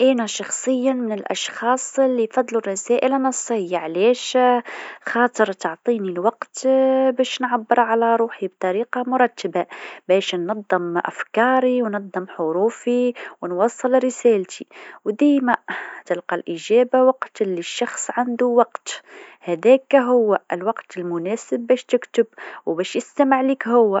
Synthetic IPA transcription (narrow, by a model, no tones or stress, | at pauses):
ʔænæʃɑxsˤəjːamɪnɪlʔɑ̰ʃxɑːsˤəlːifɑd̪ˤːlurˤːɑsæːʔɪlanɑsˤːəjːaʕlɛːʃ | xɑːt̪ˤəɾˤt̪ʊʕt̪ˤiːnilwɑqt̪bɛːʃnʕabːəɾˤʕalæɾˤuːħib̚t̪ˤɑɾiːqɑmʊɾˤɑt̪ːəbabɛːʃnːɑd̪ˤːəmʔæ̰fkɑːɾiwnɑd̪ˤːɨmħʊɾuːfiwənwɑːsˤːɨlɾɪsæːlt̪ʰiwd̪iːmæt̪ɪlqɑlʔəʒæːbawɑqt̪lːiʃːɑxsˤʕand̪uwɑqt̪hæd̪ɛːkɦʊwːæʔɪlwɑqt̪ɪlmʊnɛːsɪbːɛːʃt̪ɪkt̪ʊbwbɛːʃjɪst̪æməʕliːkɦʊwːæ